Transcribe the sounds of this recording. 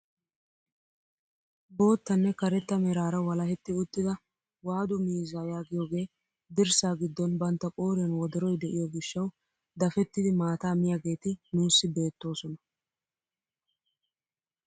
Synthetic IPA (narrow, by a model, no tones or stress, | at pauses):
bo̞ːt̪ːɐnːɛkɐɾɛt̪ːɐmɛɾaːɾɐwɐlɐhɛt̪ːɪʊt̪ːɪd̪ɐ | waːd̪ʊmiːzaːjaːɡɪjoːɡe̞ː | d̪ɪɾsaːɡɪd̪ːɔnbɐnt̪ːɐkʼoːɾɛnwɔd̪ɔɾɔjd̪ɛʔɪjɔɡɪʃːɐw | d̪ɐfɛt̪ːɪd̪ɪmaːt̪aːmɪjaɡe̞ːt̪ɪnuːsːɪbe̞ːt̪ːo̞ːsɔnɐ